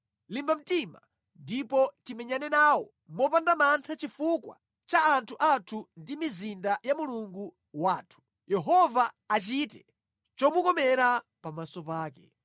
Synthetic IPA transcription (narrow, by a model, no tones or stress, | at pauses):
limbam̩tima̰ | ndipɔtimɛɲanɛnaːwɔ | mɔpandamantʰat͡ʃifukwa̰ | t͡ʃaːntʰuʔatʰundimizindajamuluŋɡu | waːtʰu̥ | jɛɦɔvaː | t͡ʃitɛ | t͡ʃɔmukɔmɛɾa | pamasɔpaːkɛ̰